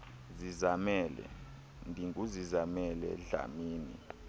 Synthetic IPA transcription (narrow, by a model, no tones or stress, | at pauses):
zizamɛːlɛ̰ | ndʱiŋɡuzizamɛlɛ̰ɮa̰miːnḭ